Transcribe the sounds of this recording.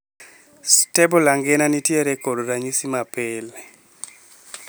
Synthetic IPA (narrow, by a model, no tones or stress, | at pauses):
stebolaŋɡenanitjeɾɛkodoɾaɲisimapɪl